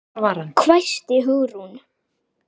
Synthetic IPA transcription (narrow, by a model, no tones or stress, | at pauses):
vaɾankʰvajst̪ɪɦʏɣɾun